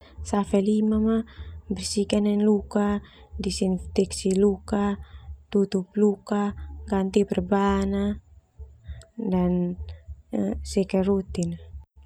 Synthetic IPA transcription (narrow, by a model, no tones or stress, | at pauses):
safɛlimamabɛrsikanɛnluka | disinft̪ɛksilukat̪ut̪up̚lukaɡant̪ibɛrbana | dan | sɛkarut̪ina